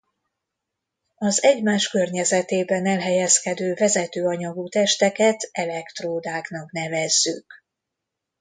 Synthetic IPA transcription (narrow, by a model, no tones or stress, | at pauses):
ɒzɛɟmaːʃkø̞rɲɛzɛt̪eːbɛnɛlɦɛjɛskɛd̪øːvɛzɛt̪øːɒɲɒɡut̪ɛʃt̪ɛkɛt̪ɛlɛkt̪roːd̪aːknɒkn̪ɛvɛzːyk